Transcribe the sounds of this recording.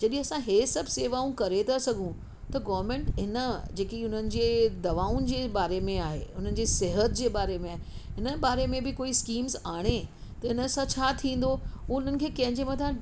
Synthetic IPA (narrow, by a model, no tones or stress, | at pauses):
d͡ʑɐɗĩɐsãɦesɐbʱseːʋaːũkɐɾet̪ʰasɐɡʱũ | t̪ɐɡɔːʋəɾmẽɳʈɦɪnəd͡ʑeːkiʊn̤ənɪ̆d͡ʑeːd̪ɐʋaːʊnd͡ʑeːbaːɾemẽaːɦḛːʊn̤ənɪ̆d͡ʑeːsɪɦət̪d͡ʑeːbaːɾemẽaːɦe | ɦɪnəbaːɾemẽbɪkoːiskiːmzaːɽ̃et̪ɐɦɪnəsãt͡ɕʰaːt̪ʰĩːn̆d̪oʊʊn̤ənɪ̆kʰeːkɐ̃ɦɪ̃ɲd͡ʑemɐt̪ʰã